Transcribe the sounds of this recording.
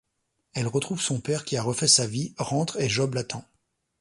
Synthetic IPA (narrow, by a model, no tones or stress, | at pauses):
ɛlʁət̪χuv̥sɔ̃pɛʁkʲiaʁəfɛsaviʁɑ̃t̪χeʒɔblat̪ɑ̃